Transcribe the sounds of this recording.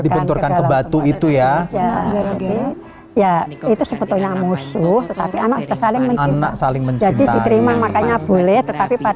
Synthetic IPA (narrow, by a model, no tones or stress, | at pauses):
dipunt̪ʊrkanakəbat̪uit̪ujajaadi | jait̪usəpət̪oɲamusʊht̪ət̪apianakasalɪŋməɲana̰ksalɪŋməɲd͡ʒadidiəɾimamakaɲab̥olɛht̪ət̪apipa